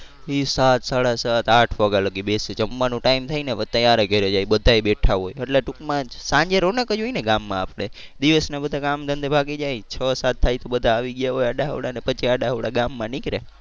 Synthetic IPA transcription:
isat̪saɽasat̪aʈʰʋaɡaləɡibeset͡ʃəmːanũʈaimt̪ʰainet̪əjaɾeɡʱeɾed͡ʒajbəd̪ʱaebeʈʰaɦojəʈleʈukmãsãɲd͡ʒeɾonəkəd͡ʒoineɡamːãapɽed̪iʋəsnabəd̪ʱakamd̪ʱənd̪ʱebʱaɡed͡ʒajt͡ʃʰəsat̪ʰːajt̪obəd̪ʱaːʋiɡjaɦojaɖaɦə̰ʋɽanepət͡ʃiaɖaɦəʋɽaɡamːãnikɾe

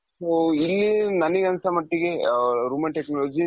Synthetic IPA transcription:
soilːinɐniɡɐnsɐmɐʈːiɡeɾuːmeɐnɳʈeknɔloːd͡ʒi

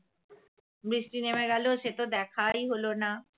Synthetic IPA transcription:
bɾisʈinemeɡɛloʃet̪od̪ɛkʰajɦolona

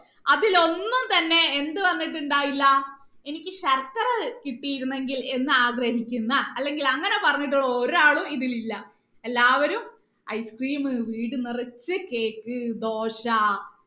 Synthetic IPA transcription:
ɐðilo̞nːumt̪ɐnːe̞ːnd̪ɨʋɐnːiʈ̬ːuɳɖaːjilːɐ | e̞nikʲːɨɕɐrkɐrɐkiʈːijiɾunːe̞ŋɡile̞nːɨaːɡrɐɦikʲːunːɐɐlːe̞ŋɡilɐŋːɐne̞pɐrɐɲːiʈ̬ːuɭːɐoɾaːɭumiðililːɐ | e̞lːaːʋɐɾum | ɐjskriːmɨʋiːɽɨnirɐt͡ɕːɨke̞ːkːɨd̪o̞ːɕɐ

